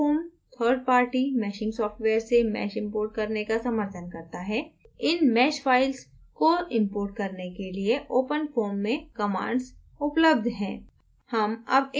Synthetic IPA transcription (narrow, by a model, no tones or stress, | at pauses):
oːmt̪ʰəːɾɖ̚paːɾʈimɛːʃɪ̃ŋɡsɔːfʈʋeːɾsemɛ̰ːʃɪ̃mpoːɾʈ̚kɐɾnekasɐməɾt̪ʰənkɐɾt̪aɦɛːɪnmɛːʃfaːɪls | koɪ̃mpoːɾʈ̚kɐɾnekelieʔoːpənfoːmːẽkɐmã̰ːɳɖs | ʊpləb̚d̪ʱɦɛ̃ː | hɐmɐ̰bɪ